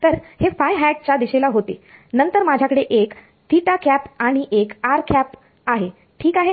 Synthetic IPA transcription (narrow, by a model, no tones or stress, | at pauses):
t̪əɾhefajɦæʈ̚t͡ɕjad̪iɕelaɦot̪enənt̪əɾmad͡ʑʱjakəɽeʔek | t̪ʰiʈakæpaɽ̃iʔekaɾkæp | aɦe | ʈʰiːkaɦe